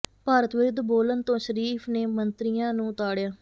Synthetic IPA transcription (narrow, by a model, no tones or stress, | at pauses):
paːɾət̪ʋɪɾd̪boːlənt̪õːʃəɾiːpʰneːmənt̪ɾijãːnũːʊt̪aːɽjaː